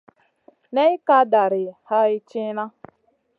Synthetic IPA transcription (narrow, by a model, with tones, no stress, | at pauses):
ne˦ɪ˦ka˦da˨ɾɪ˨ha˦ɪ˦t͡ʃɪ˦na˦